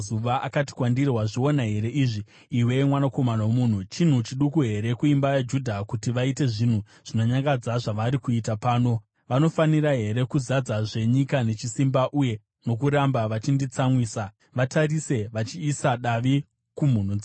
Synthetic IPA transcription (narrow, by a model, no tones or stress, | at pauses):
zuʋaʔakati̥kwandirwaʐio̞naɦe̞ɾe̞ʔiʐiː | we̞mwanako̞manawomuːn̤ut͡ʃin̤ut͡ʃiɗukuɦe̞ɾe̞kuimbajad͡ʒudʱakutiʋaite̞ʐin̤u | ʐ̥ino̞ɲaŋɡad͡zaʐaʋaɾikuitapaːno̞ | ʋano̞faniɾaɦe̞ɾe̞kuzad͡zaʐe̞ɲikane̞t͡ʃisimbaʔuje̞ | no̞k̬uɾambaʋat͡ʃindit͡samwiːsa | ʋatʰarise̞ʋat͡ʃiːsaɗaʋi | kum̤un̤ud͡za